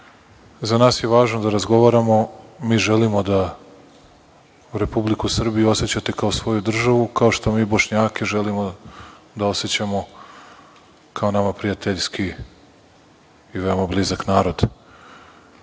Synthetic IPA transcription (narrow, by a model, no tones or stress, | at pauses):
zanaːsje̞ʋaːʒnod̪aɾazɡo̞ʋaɾamo̞miːʒelimo̞d̪a | uɾe̞publikusr̩bijuo̞se̞t͡ɕat̪e̞kaosʋo̞jud̪r̩ʒaʋukao̞ʃt̪o̞miːbo̞ʃɲaːke̞ʒe̞limo | d̪ao̞set͡ɕamo̞ | kʰao̞namapɾijat̪eʎski | ʋe̞omablizaknaːɾo̞d̪̥